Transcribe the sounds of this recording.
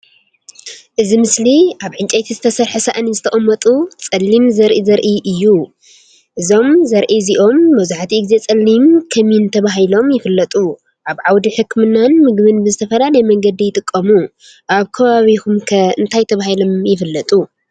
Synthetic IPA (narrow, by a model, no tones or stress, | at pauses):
ʔɨzimɨsliʔaβʕɨnt͡ʃʼet̪ʰizɨt̪ʰɐsɐɾħɨsaʔɐnizɨt̪ʰɐχʼɐmːɐt̪ʼut͡sʼɐlːimzɐɾʔizɐɾʔiʔɨjːu | ʔɨzo̞mzɐɾʔiziʔo̞mːɐzaħt̪ʰiɨɡze̞t͡sʼɐlːimkʰɐmint̪ʰɐβaɦilo̞mjɪfɨlːɐt̪ʼu | ʔaβʕawd̪iħɨkmɨnːanmɨɡβɨnbɨzɨt̪ʰɐfɐlalɐjmɐŋɡɐd̪ijɪt̪ʼɨkʼːɐmu | ʔaβkʰɐβaβikumkʰɐɨnt̪ʰajt̪ʰɐβahilomjɪfɨlːɐt̪ʼu